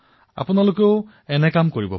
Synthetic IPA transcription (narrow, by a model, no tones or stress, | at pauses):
a̰punalokeʊ | ɛnɛkamkoɹibɔ